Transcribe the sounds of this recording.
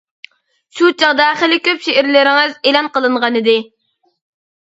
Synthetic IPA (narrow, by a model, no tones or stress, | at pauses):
ʃut͡ʃʰɑʁd̪ɑχəlɪkʲøpʃeʔɪɾlɪɾɪŋɪzelˠɑnqəlˠɨɴʁɑnɨd̪ɪ